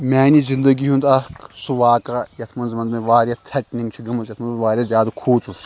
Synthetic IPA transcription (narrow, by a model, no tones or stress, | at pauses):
maːnizind̪ɐɡiɦũnd̪ɐksuʋaːkajɐt̪ʰmɐnzmɐnd̪meʋaːɾʲjat̪ʰɐʈniŋɡt͡ʃʰiɡɐmɐzjɐt̪ʰmɐnzmeʋaːɾʲjazʲjaːd̪akʰuːt͡sus